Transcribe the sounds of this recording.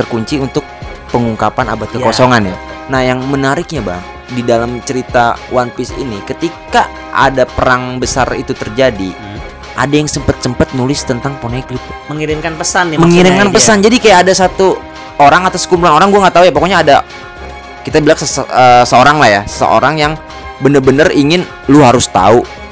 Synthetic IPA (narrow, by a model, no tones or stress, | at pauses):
t̪ərkuɲt͡ʃiunt̪ʊk̚ | pəŋuŋkapana̰bat̪̚kəkosoŋanja̰ | nahjaŋmənaɾɪk̚ɲaba̰ŋ | didalamt͡ʃəɾit̪awanpɪsḭnikət̪ika | ʔa̰dapəɾaŋbəsarḭt̪ut̪ərd͡ʒadi | ʔa̰dajaŋsəmpət̪̚səmpət̪̚nulɪst̪ənt̪aŋponeklit̪̚məŋiɾɪmkanpəsanːiməŋiɾɪmkanpəsand͡ʒadikajaːdasat̪u | oɾaŋat̪askumpulanoɾaŋɡuaŋɡat̪aujapokoɲaːda | kit̪abilaksəəsəoɾaŋlahjasə̥sə̰ʔo̰ɾaŋjaŋ | bənərbənəriŋɪn | lʊɦaɾʊst̪a̰u